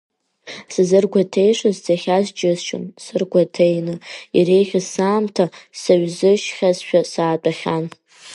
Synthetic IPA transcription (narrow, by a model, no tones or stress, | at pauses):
sɨzɨrɡʷatʰe̞jʂazd͡zaχʲazd͡ʒʼɪzʃɨ̰nsɨrɡʷatʰejnɨire̞jχʲasaːmtʰasaɥzɨʃχʲazʃᶣasaːt͡pʼaχʲan